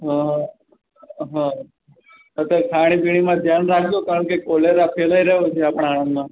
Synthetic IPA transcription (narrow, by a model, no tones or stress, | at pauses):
ɦã | ɦã | ət̪əkʰaɽ̃ipiɽ̃imãd͡ʒ̪ʱjanɾakʰd̪okaɾəɳkekoleɾapʰelaiɾəɦot͡ʃʰeapəɽ̃aːɽ̃ə̃nd̪mã